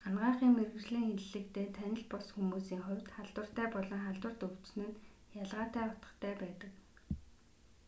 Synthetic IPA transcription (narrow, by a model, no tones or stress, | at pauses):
anɢaːχiːŋmerɣɘ̆rɮiːŋxenɮɘ̆k̚t̪eːt̪ʰænʲɪ̆ɮpɔsxumuːsiːŋχʊ̟wʲt̪χaɮt̪wə̆r̥t̪æːpɔɮɞ̆ŋχaɮt̪wə̆rt̪ɵw̥t͡snɘ̆n | jaɮʁaːt̪æːɔt̪ə̥̆t̪ʰæːpæːt̪ə̆k